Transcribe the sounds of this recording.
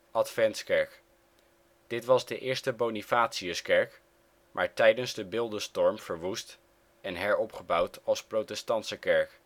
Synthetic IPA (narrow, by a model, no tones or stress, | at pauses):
ʔɑtfɛntskɛɹk | d̥ɪtʋɑzdəʔɪːɹstəbownifaːtsiəskɛɹk | mʔa̰ːɹtɛjdənzdəbɪlˠdəstɔɹmv̥əɹʋust | ɛnɦɛɹɔpχəbɑwtɑlˠsprowtɛstɑntsəkɛɹk